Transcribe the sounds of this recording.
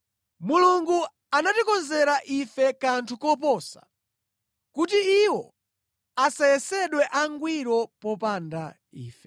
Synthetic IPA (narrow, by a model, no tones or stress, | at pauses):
muluŋɡu | anatikɔnzɛɾaʔifɛkantʰukɔp̬ɔːsḁ̰ | kutiiwɔ | asajɛsɛɗwɛʔaŋɡwiɾɔpɔpanda̰ | iːfɛ